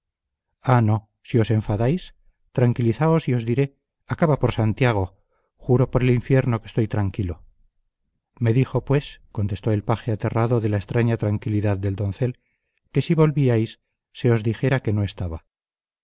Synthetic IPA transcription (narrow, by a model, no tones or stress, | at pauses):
ano̞ | sio̞se̞ɱfaðajs | t̪ɾaŋkiliθaosio̞zðiɾe̞ | akaβapo̞ɾsant̪jaɣ̞o̞ | xuɾo̞po̞ɾe̞liɱfje̞ɾno̞kest̪o̞jt̪ɾaŋkilo̞ | me̞ðixo̞pwe̞sko̞nt̪e̞st̪o̞e̞lpaxeat̪e̞raðo̞ðe̞laest̪ɾaɲat̪ɾaŋkiliðaðːe̞ld̪o̞nθe̞l | ke̞siβo̞lβiajsː | e̞o̞zðixe̞ɾake̞no̞e̞st̪aβa